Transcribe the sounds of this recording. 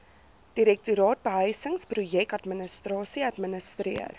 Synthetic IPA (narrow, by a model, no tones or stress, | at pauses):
d̥iɾɛk̚tuɾɑːt̚bəɦəjsəŋsprujɛkɐtmənəstɾɑːsiɐtmənəstɾiər